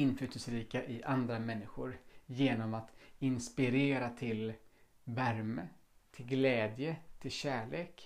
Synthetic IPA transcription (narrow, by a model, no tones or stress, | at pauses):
ɪnːflʉ̟ːt̪əsɾiːkaʔɪʔand̪ɾamɛnːɪɧʊɾjeːnɔmat̪ɪnspɪɾeːɾat̪ʰɪl | væɾmət̪ʰɪlɡlɛːd̪jət̪ʰɪlɕæːɭeːk